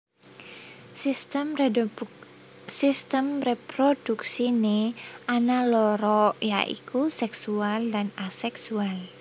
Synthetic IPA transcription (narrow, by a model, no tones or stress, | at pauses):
mr | sist̪əmrepɾod̥uksineanalɔɾɔja̰ʔḭkusɛksualdanasɛksual